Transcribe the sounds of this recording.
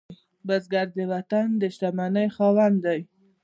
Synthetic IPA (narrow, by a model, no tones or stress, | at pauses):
basɡaɾd̪əwat̪and̪əʃt̪amanəjxɑwand̪aj